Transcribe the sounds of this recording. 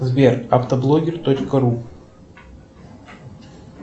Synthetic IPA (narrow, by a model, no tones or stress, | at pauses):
zbʲɛrawt̪ɐblˠɔɡʲɛrt̪ɔt͡ʃkɐɾu